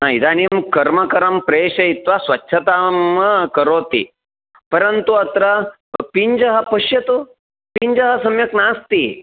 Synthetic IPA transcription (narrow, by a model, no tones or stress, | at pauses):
naid̪animkɐɾmɐkɐɾampɾeːɕɐit̪ʋasʋɐtːɕʰɐt̪amkəɾoːt̪ḭ | pəɾənt̪uɐt̪ɾɐ | piɲd͡ʒɐɦɐpəɕjɐt̪u | piɲd͡ʒɐɦɐsɐmjɐknast̪i